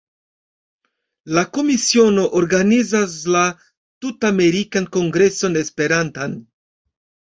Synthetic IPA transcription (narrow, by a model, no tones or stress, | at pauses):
lako̞misio̞no̞ʔoɾɡanizasla | tutame̞ɾikanko̞ŋɡɾe̞so̞ne̞spe̞ɾantan